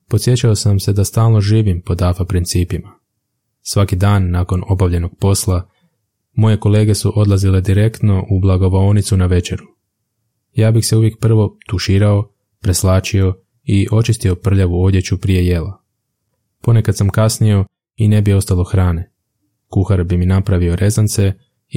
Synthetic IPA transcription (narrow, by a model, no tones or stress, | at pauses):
pot̪sje̞t͡ɕaosamse̞d̪ast̪aːlˠno̞ʒiːʋimpo̞d̪aːfapɾint̪siːpima | sʋakid̪aːnːaːko̞no̞baʋʎe̞no̞ɡ̥̚po̞slˠa | mo̞je̞ko̞le̞ːɡe̞suʔo̞d̪lˠazile̞d̪iɾe̞kt̪no̞ʔublˠaɡo̞ʋoonit̪sunaʋe̞t͡ʃe̞ɾu | jaːbixse̞uʋje̞k̚pr̩ʋo̞t̪uʃiːɾao̞ | pɾe̞slaːt͡ʃio̞ | iʔo̞t͡ʃist̪io̞pr̩ʎaʋuo̞d̪je̞t͡ɕupɾije̞je̞la | po̞ne̞kad̪samkasnio̞ | ine̞bio̞st̪alˠo̞xɾaːne̞ | kuxaɾbiminapɾaʋio̞ɾe̞zant̪se̞